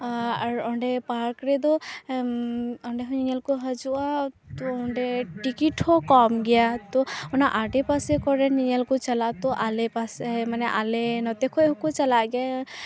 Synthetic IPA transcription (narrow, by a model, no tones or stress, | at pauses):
aɾɔɳɖɛpaɾkɾɛd̪ɔ | ɔɳɖɛɦɔɲiɲalkɔɦad͡ʒua | t̪ɔɔɳɖɛʈikiʈhɔkɔmɡɛjat̪ɔɔnaʔaɖɛpasɛkɔɾɛniɲalkɔt͡ʃalat̪ɔʔalɛpasmanɛʔalɛnɔt̪ekʰɔeɦũkɔt͡ʃalaɡɛja